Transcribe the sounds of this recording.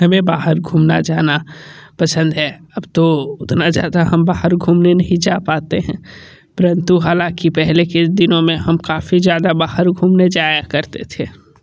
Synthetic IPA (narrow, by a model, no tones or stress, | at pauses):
ɦɐmẽbaːɦəɾɡʱuːmna̰d͡ʒaːna | pɐsə̃nd̪ɦɛɐbt̪oʊt̪nad͡ʒa̰ːd̪aɦɐmbaːɦəɾɡʱuːmnenɐɦĩd͡ʒaːpaːt̪eɦɛ̃ | pəɾə̃nt̪uɦaːlãkipɛɦleked̪ɪnõmẽɦɐmkaːfizjaːd̪abaːhəɾɡʱuːmned͡ʒaːjakɐɾt̪et̪ʰe